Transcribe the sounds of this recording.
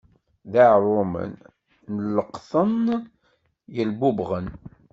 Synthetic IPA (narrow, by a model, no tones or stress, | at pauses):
ðaʕɾˤʊmə̰nː | əlːəqθən | jəlbubʁən